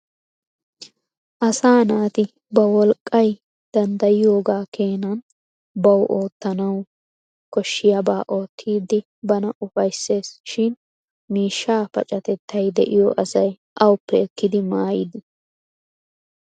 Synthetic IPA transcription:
ʔɐsaːnaːt̪ɪ | bɐwɔlkʼːɐj | d̪̥ɐnd̪ɐjɪjo̞ːɡaːke̞ːnɐn | bɐwʔo̞ːt̪ːɐnɐw | kɔʃːɪjɐbaːʔo̞ːt̪ʰːiːd̪ːɪ | bɐnɐʔʊfɐjsːe̞ːsʃɪn | miːʃːaːpɐ̰t͡ʃʼɐt̪ɛt̪ːɐjd̪ɛ̰ʔɪjɔʔɐsɐj | ʔɐwʊpːɛɛkːɪd̪ɪmaːjɪd̪ɪ

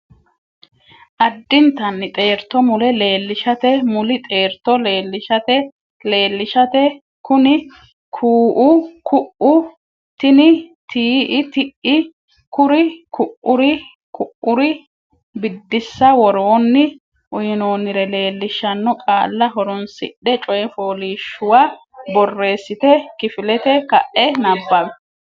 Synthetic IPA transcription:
ʔɐd̪ːɪnt̪ɐnːɪt̪ʼe̞ːɾt̪ːɔmʊlɛleːlːɪʃɐt̪ɛmʊlɪt̪ʼe̞ːɾt̪ɔleːlːɪʃɐt̪ɛ | le̞ːlːɪʃɐt̪ɛ | kʊnɪ | kʰuːʔukʰʊʔʊ | t̪ɪnɪt̪iːʔɪt̪ɪʔɪ | kʊɾɪkʊʔʊɾɪ | kʰʊʔʊɾɪ | bɪd̪ːɪsːɐwɔɾoːnːɪ | ʔʊjɪno̞ːnːɪɾɛle̞ːlːɪʃːɐnːɔkʼaːlːɐɦɔɾɔnsɪ̰ɗːɛt͡ʃʼɔjɛfo̞ːliːʃːʊwa | bɔrːe̞ːsːɪt̪ɛkɪfɪlɛt̪ɛkɐʔːɛnɐbːɐmɛ

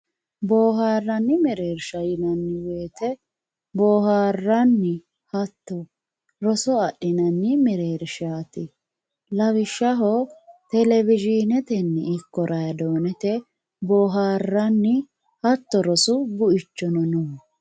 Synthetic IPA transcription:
boːɦaːrːɐnːɪmɛɾeːɾʃɐjɪnɐnːɪwe̞ːt̪ɛ | boːɦaːrːɐnːɪ | hɐt̪ːɔ | ɾɔsɔɐɗɪnɐnːɪmɛɾeːɾʃaːt̪ɪ | lɐwɪʃːɐɦɔt̪ɛlɛvɪd͡ʒɪnɛt̪ɛnːɛɪkːɔɾʔɐjɐd̪oːnɛt̪ɛ | boːɦaːrːɐnːɪ | hɐt̪ːɔɾɔsʊbʊʔɪt͡ʃːɔnɔnu

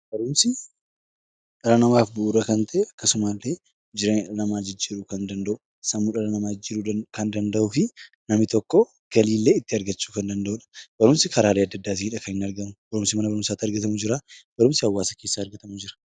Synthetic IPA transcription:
b̥ɐɾʊmsɪ | ᶑɐɾɐnɐmaːfbʊʔuːɾɐkɐnt̪ʰɐʔeɐkːɐsʊmaːlːe̞ː | d͡ʒɪɾeːlɐmaːd͡ʒɪd͡ʒːiːɾuːkɐnd̪ɐnd̪ɐʔʊ | sɐmːuːᶑɐɾɐnɐmaːd͡ʒd͡ʒiɾukɐnd̪ɐnd̪ɐʔuːfɪ | nɐmɪt̪ɔkːɔ | ɡ̥ɐliːlːe̞ːɪt̪ːɪɐɾɡɐt͡ʃːu̥ːkɐnd̪ɐnd̪ɐʔuːᶑɐ̥b̥ɐɾʊmsɪkɐɾaːleːɐd̪ːɐd̪ːaːt̪̬ɪhɪᶑɐkɐnɪnɐɾɡɐmʊb̥ɐɾʊmsɪmɐnɐbɐɾʊmsaːt̪ːɐɾɡɐt̪ɐmud͡ʒɪɾab̥ɐɾʊmsɪɐwːaːsɐke̞ːsːaːɐɾɡɐt̪ɐmud͡ʒɪɾɐ̥

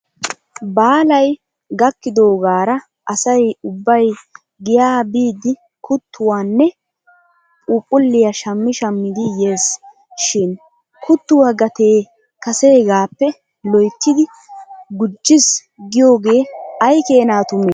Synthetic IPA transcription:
baːlɐj | ɡɐkːɪd̪o̞ːɡaːɾɐ | ʔɐsɐjʊbːɐj | ɡɪjaːbiːd̪ɪ | kʰʊt̪ːʊwaːnːɛ | pʼuːpʼːʊlːɪjɐʃɐmːɪʃɐmːɪd̪ɪje̞ːs | ʃɪn | kʊt̪ːʊwaɡɐt̪e̞ː | kɐse̞ːɡaːpːɛ | lɔjt̪ːɪd̪ɪ | ɡʊd͡ʒːɪs | ɡɪjo̞ːɡe̞ːɐjke̞ːnaːt̪ʊmeː

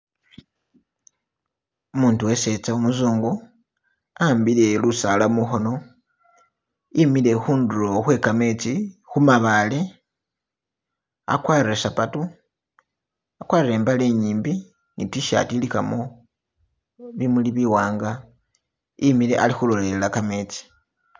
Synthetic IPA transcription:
umuːntuwe̞se̞t͡saumuzuːŋɡu | ambile̞lusalamuxo̞no̞ | imile̞xuːnduɾo̞xwe̞kame̞t͡sixumaβale̞ | a̰kwaːiresapatu | akwariɾe̞ːmbale̞ɲiːmbi | nitwiʃa̰tilika̰mo̞ | βimuliβiwaːŋɡa | imile̞̰ʔalixulo̞lellakame̞ːt͡si̥

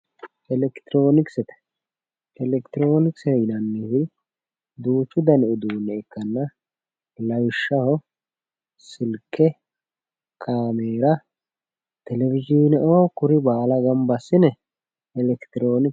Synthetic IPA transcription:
ʔɛlɛkt̪ɪɾo̞ːnɪksɛt̪ɛ̥ | ɛlɛkt̪ɪɾo̞ːnɪksɛɪnɐnːɪhɪ | d̪uːt͡ʃːʊd̪ɐnɛʊd̪uːnːɛɛkːɐnːɐ | lɐwɪʃːɐhɔ | sɪlkʰːɛ | kʰaːmeːɾɐ | t̪ɛlɛvɪd͡ʒiːnɛʔoːkʊɾɪbaːlɐɡɐmbɐsːɪnɛ | ɛlɛkt̪ɪɾo̞ːnɪk

